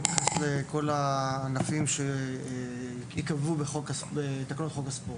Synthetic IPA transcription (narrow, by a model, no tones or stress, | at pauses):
tχasleko̞laːnafimʃe | ikavubeχokasbet̪aknotχo̞kaspot